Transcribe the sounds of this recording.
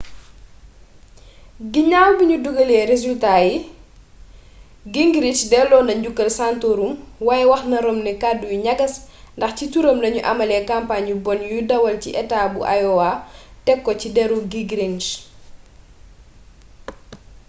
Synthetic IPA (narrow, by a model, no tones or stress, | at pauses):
ɡiɲaːlbiɲuduɡɐlɛɾezultaji | ɡiŋɡɾit͡ʃdɛlɔːndɐɲɟukːɐlsantoɾumwajɛwɐxnɐɾɔmnɛkadujuɲɐɡɐsndɐxcituɾɐmlɐɲuʔɐmɐlɛːkampaɲubɔnjudɐwɐlciʔɛtaːbuʔa̰jɔwatɛkːɔcidɛɾuɡiɡɾiŋʃ